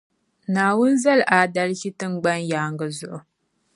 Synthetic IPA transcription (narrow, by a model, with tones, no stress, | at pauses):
naː˨wʊ˦nza˦lʔaː˨da˦lɣi˦tɨ˦ŋ˦ɡ͡ba˦njaː˨ŋɡɨ˨zʊ˦˨ʔʊ˨